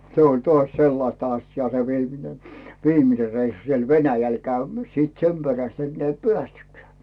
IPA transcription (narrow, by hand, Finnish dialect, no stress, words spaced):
se olʲ toɑsʲ selːɑĭstɑ ɑsjɑː se ʋiːmine ʋiːmine reisːu siel ʋenæjæl kæymæ̥s̆ siːt sem peræst enːeæ i peæstykːeæˑ